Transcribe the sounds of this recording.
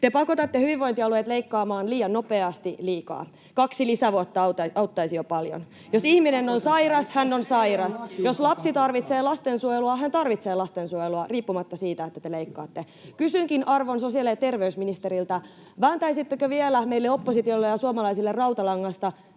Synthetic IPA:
t̪epɑkot̪ɑt̪ːehyʋiʋʋoint̪iɑluet̪leikːɑːmɑːnliːjɑnnopeɑst̪iliːkɑ̰ː | kɑksilisæʋuot̪ːɑɑut̪ɑɑut̪ːɑisijopɑljo̰n | josihminenːonsɑiɾɑshænːonsɑiɾɑsjoslɑpsit̪ɑrʋit̪seːlɑst̪ensuojeluɑɦænt̪ɑrʋit̪seːlɑst̪ensuojeluɑriːpːumɑt̪ːɑsiːt̪æet̪ːæt̪eleikːɑ̰ːt̪ːe | kysyŋkinʔɑrʋonsosiɑlet̪erʋeysminist̪eɾilt̪ɑ | ʋæːnt̪ɑisit̪ːekøʋielæmeilːeopːosit̪iolːejɑsuɑmɑlɑisilːerɑuwt̪ɑlɑŋːɑst̪ɑ

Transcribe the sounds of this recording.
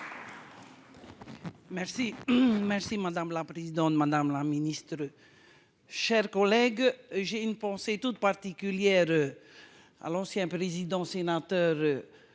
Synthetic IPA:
mɛʁsimɛʁsimad̪amlapʁezid̪ɑ̃t̪mad̪amlaminist̪ʁə | ʃɛʁkɔlɛɡʒeynpɑ̃set̪ut̪paʁt̪ikʲyljɛʁø | a̰lɑ̃sjɛ̃pʁezid̪ɑ̃senat̪œʁ

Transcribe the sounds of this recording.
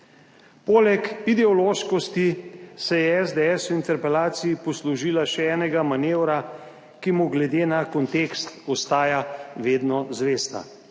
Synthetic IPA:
poːlɛkid̪ɛɔloːʃkɔst̪isɛjɛɛzd̪ɛɛːsɔint̪ɛɾpɛlaːt̪sijipɔsluʒiːlaʃɛɛːnɛɡamaneːwɾa | kimuɡlɛd̪eːnakɔnt̪eːkst̪ɔst̪aːjaʋeːd̪nɔzʋeːst̪a̰

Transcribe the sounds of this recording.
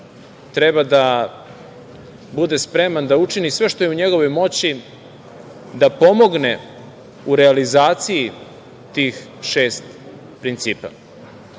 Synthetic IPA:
t̪ɾebad̪a | bud̪e̞spɾe̞mand̪aut͡ʃinisʋe̞ʃt̪o̞jeuɲe̞ɡo̞ʋo̞jmo̞t͡ɕi | d̪apo̞mo̞ɡne | uɾealizaːt̪siji | t̪iːxʃeːst̪ | pɾint̪siːpa̰

